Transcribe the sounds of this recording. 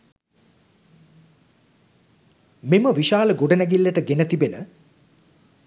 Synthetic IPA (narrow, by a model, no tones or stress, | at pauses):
miməʋiʃaːləɡoɖənæɡilːəʈəɡenət̪ibenə